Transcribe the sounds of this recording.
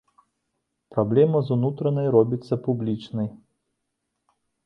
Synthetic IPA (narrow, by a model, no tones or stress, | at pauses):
pɾablʲɛmɐzunut̪ɾɐnɐjɾɔbʲit̪sːɐpublʲit͡ʂnɐj